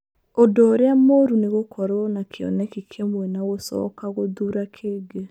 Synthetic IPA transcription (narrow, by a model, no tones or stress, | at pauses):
odoːɾeamoɾuneɣokʰɔɾwɔnakʰeɔ̰nɛkikʰemwɛnaɣosɔ̰kaɣoðuɾakʰeɡe